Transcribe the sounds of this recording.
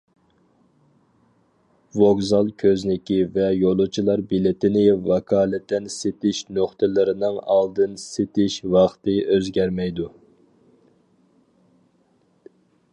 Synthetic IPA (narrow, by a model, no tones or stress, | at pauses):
voɡzɑlˠkʲʰøznɪkʲivɛjolˠut͡ʃʰilˠɑɾbilɪt̪ɪnɪvɑkʰɑːlˠɪt̪ːɛnset̪ɪʃnoχt̪ʰɨlɨɾɪnɨŋɑlˠd̪ɨnset̪ɪʃwɑχt̪ɨøzɡʲɛɾmɛjd̪u